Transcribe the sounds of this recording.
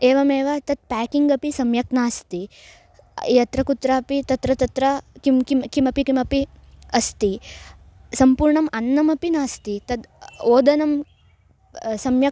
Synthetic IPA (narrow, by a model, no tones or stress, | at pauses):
eːʋɐmeːʋɐt̪ɐd̪̚paːkiŋɡɐpisɐmjɐknaːst̪i | jɐt̪ɾɐkut̪ɾaːɐpit̪ɐt̪ɾɐt̪ɐt̪ɾɐkimkimkimɐpikimɐpi | ɐst̪i | sɐmpuːɾɳɐmɐnːɐmɐpinaːst̪it̪ɐd̪oːd̪ɐnɐm | sɐmjɐ